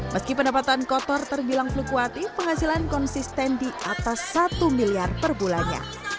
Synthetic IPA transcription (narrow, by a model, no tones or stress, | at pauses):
məskipəndapat̪ankɔt̪ɔrt̪ərbilaŋflukuat̪ipəŋɦasilankɔnsist̪ɛndiʔat̪asːat̪umiliarpərbulaɲa̰